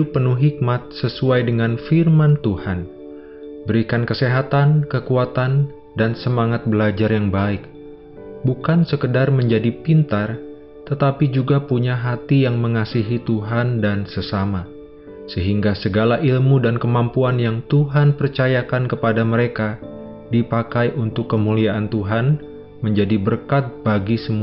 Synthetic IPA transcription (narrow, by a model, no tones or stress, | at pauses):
ʊpːənʊhɦik̚mat̪̚səsuajdəŋanfirmant̪uhan | bəɾikankəseɦat̪ankəkuat̪an | dansəmaŋat̪̚bəlad͡ʒarjaŋbaɪk | bukansəkədarməɲd͡ʒadipint̪ar | t̪ət̪apid͡ʒuɡapuɲaɦat̪ijaŋməŋasiɦit̪uɦandansəsama | səɦiŋɡasəɡalaʔilmudankəmampuanjaŋt̪uɦanpərt͡ʃajakankəpadaməɾeka | dipakajʔunt̪ʊkːəmuliaʔant̪uɦan | məɲd͡ʒadibərkat̪̚baɡisəmu